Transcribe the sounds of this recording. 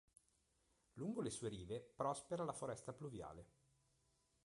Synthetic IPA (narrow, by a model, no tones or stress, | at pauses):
luŋɡolesuːeɾiːvepɾɔspeɾalafoɾɛst̪apluvja̰ːle